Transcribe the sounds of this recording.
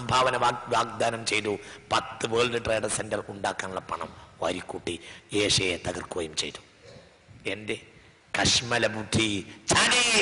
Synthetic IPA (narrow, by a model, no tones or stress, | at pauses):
sɐmbʱaːʋɐnɐʋaʋaːɡ̚d̪aːnɐmt͡ɕejt̪upɐt̪ːɨʋeːɭɖɨʈreːɖɐsendɐruɳɖaːkːaːnuɭːɐpɐɳɐ̰mʋɐ̰ɾikːuʈːieːʂejet̪ɐɡɐrkuɐjumt͡ɕḛjt̪u̥ | ende | kɐʂmɐlɐbudʰʱit͡ɕʰaːni